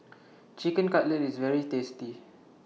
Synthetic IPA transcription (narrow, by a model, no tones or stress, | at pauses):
t͡ʃikə̃nkaʔlɛtisvɛɹitesti